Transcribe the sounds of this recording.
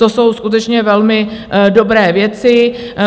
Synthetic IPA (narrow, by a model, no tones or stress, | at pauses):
o̞so̞wskut̪ɛt͡ʃɲɛvɛlmɪdo̞bɾɛːvjɛt͡sɪ